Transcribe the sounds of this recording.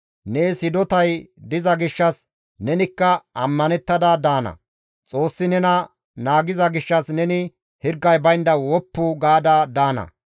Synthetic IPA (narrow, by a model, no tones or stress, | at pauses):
neːsɪd̪ɔt̪ɐjd̪ɪzɐɡɪʃːɐs | nɛnɪkːɐɐmːɐnɛt̪ːɐd̪ɐd̪aːnɐ̰ | t͡sʼo̞ːsːɪnɛnɐ | naːɡɪzɐɡɪʃːɐsnɛnɪ | hɪɾɡːɐjbɐjnd̪ɐwɔpːʊɡaːd̪ɐd̪aːnɐ̰